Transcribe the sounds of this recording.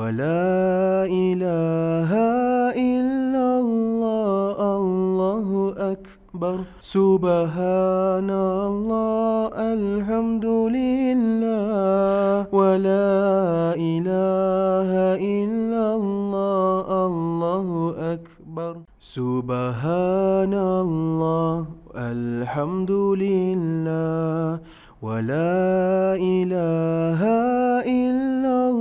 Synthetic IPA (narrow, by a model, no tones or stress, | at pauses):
walaː | ʔɪlaːɦaʔɪlːalːɑːʔallˤːaːɦʊʔak | bɑɾˤ | sʊbaɦanalˤːɑːʔalħamd̪ʊlɪlːaːwalaːʔɪlaːɦaʔɪlːalːɑːʔalːɑːhʊʔak | bɑɾˤ | sʊbaɦaːnalːɑːʔalħamd̪ʊlɪlːaː | walaːʔɪlaːɦaʔɪlːa